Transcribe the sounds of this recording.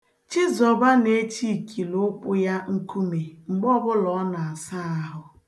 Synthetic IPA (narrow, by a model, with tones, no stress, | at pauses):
t͡ʃi˦zɔ˨ba˦ne˦t͡ʃi˦˨kʰi˨lʊ˦k͡pʊ˦ja˦ŋ̩˦ku˦me˨ŋ͡m̩˨ɡ͡bɔ˦bʊ˦lɔ˨˦na˨a˨sa˦a˦ɦʊ˨